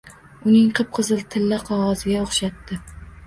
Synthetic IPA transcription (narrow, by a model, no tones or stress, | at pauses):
ʊnɪŋqʰɨp̚qʰɨzɨlˠt̪ʰɪlːaqʰɒʁɒzɪɡʲaoχʃat̪ːɪ